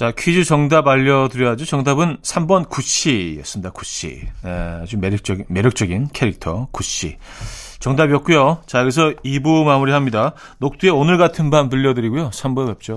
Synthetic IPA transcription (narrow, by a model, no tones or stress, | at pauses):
t͡ɕakʰɥid͡ʑut͡ɕʌŋdabaʎːʌdɯɾjʌɦad͡ʑot͡ɕʌŋdabɯnsʰambʌnkuɕʰijʌs͈ɯmdak͈u̥ɕ͈ʰḭet͡ɕomeɾk̚t͡ɕ͈ʌme̞ɾjʌk̚t͡ɕ͈ʌɡinkʰe̞ɾik̚tʰʌ̰kuɕ͈ʰḭ | t͡ɕʌŋdabijʌk̚k͈ujot͡ɕaɯɡes̬ʰʌibumamuɾiɦamɲida | nok̚t͈ueonɯɭɡatʰɯnbanpuʎːʌdɯɾiɡujosʰambʌjʌp̚t͡ɕ͈o